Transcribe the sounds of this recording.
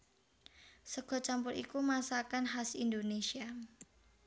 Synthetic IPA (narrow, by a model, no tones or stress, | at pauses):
səɡ̥ɔ̤t͡ʃampʊɾḭkumasakanɦasindonesia